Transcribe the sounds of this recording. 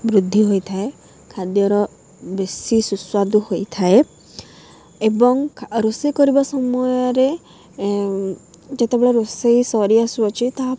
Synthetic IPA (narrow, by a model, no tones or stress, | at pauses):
bɾud̪ʱːiɦojt̪ʰae | kʰad̪jɔɾɔ | besisuswad̪uhojt̪ʰae | ebɔŋʰɾosekɔɾibɔsɔmɔjɔɾe | d͡ʒet̪ebeɭɔɾosejsɔɾiasuɔt͡ʃʰit̪a